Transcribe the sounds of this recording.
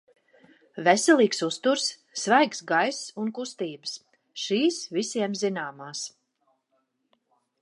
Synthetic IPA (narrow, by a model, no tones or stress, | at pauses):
vɛsʲɛlˠiːksust̪uɾsː | vajksɡajsunkust̪iːbəs | ʃiːsvisiɛmzinaːmaːs